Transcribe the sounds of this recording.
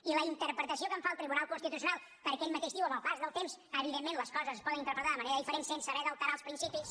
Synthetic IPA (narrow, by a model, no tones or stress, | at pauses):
iləint̪əɾpɾət̪əsiokəɱfaəlˠt̪ɾiβunalˠkunst̪it̪usiunalˠ | pəɾkɛmmət̪eʃðiuwəməlˠpazðəlˠt̪emsəβiðemːenləskɔzəzəspɔðənint̪əɾpɾət̪aðəməneɾəðifəɾensensəβɛðəlˠt̪aɾaəlˠspɾinsipis